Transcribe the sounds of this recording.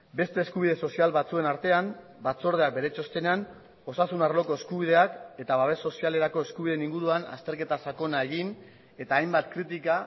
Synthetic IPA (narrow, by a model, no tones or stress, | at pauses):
be̞st̪e̞ːskuβ̞iðe̞so̞sialβat͡sue̞naɾt̪e̞am | bat͡so̞ɾð̞e̞ak̚be̞ɾet͡ʃo̞st̪e̞nean | o̞sasunarlo̞ko̞e̞skuβið̞e̞ake̞t̪aβaβe̞sːo̞siale̞ɾako̞e̞skuβiðeniŋɡuɾuana̰st̪e̞ɾke̞t̪asako̞nae̞ɣin | e̞t̪aːjmbat̪kɾit̪ika